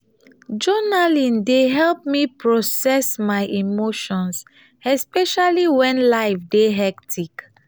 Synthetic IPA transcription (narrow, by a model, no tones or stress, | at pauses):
d͡ʒɔnalĩndeɦɛlp̚mipɹɔsɛsmajʔimoʃɔ̃ns | ɛspɛʃaliwɛ̃nlaɪfdeɦɛk̚tʰik